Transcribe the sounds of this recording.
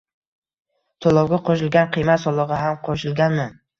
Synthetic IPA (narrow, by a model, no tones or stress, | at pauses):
t̪ʰɒlˠɒwɡʲaqʰɒʃɪlɡʲanqʰɨjmat̪sɒlˠɒʁɑɦamqʰɒʃɪlɡʲanmɪ